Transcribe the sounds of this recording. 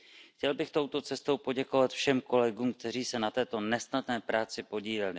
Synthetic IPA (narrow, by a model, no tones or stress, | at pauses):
xcɛlbɪxt̪o̞wt̪o̞t͡sɛst̪o̞wpo̞ɟɛko̞vat̪fʃɛmko̞lɛɡuːmk̚t̪ɛr̝iːsɛnat̪ɛːt̪o̞nɛsnadnɛːpɾaːt͡sɪpo̞ɟiːlɛlɪ